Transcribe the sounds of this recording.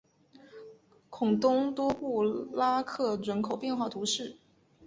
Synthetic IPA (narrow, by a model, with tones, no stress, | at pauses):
kʰʊ˨˩ŋt̪ʊ˥ŋt̪wɔ˥pu˥˩la˥kʰɤ˥˩ʈ͡ʂə˧˥nkʰo˨˩ʊpjɛ˥˧nxwa˥˩t̪ʰu˧˥ʂɻ̩˥˩